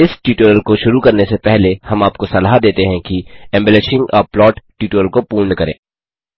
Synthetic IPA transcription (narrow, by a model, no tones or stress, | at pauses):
ɪsʈiːʈuəlkoʃʊɾukɐɾnesepɛɦlehɐmaːp̚kosɐlaːɦd̪eːt̪eɦɛ̃kiɛ̃mbɛleʃɪ̃ŋɡɔːɾplɔːʈʈiːʈːəlkopuːɾnkɐɾḛ̃ː